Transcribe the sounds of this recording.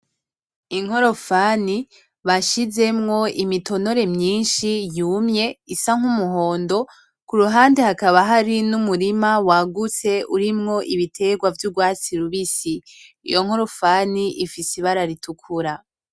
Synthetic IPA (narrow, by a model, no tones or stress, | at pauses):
iŋ̥ho̞ɾo̞faːni | βaʃize̞mŋo̞imito̞no̞ɾe̞mɲiːnʃijuːmɲe̞isaŋ̥humuɦo̞ːndo̞ | kuɾuɦaːnde̞hakaβaɦaɾinumuɾimawaɡut͡se̞ʔuɾimŋo̞ʔiβitʰe̞ɡwavjuɡwaːt͡siɾuβisḭː | jo̞ŋ̥ho̞ɾo̞faniʔifisiβaɾaɾitukʰuɾa